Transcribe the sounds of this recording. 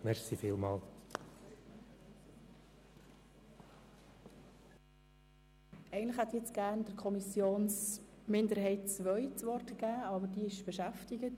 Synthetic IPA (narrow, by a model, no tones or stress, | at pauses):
mɛɾχsifiːlmɑːl | ʔɛɪɡəntləχhæt̪jɛt͡sɡ̥æːɾnd̥əɾkʰɔmisjoːnsmɪndəɾhɛɪt̚t͡sʋœʏt͡sʋɔɾtɡ̥æːɑbəɾdiːɪʃb̥ɛʃæftɪɡət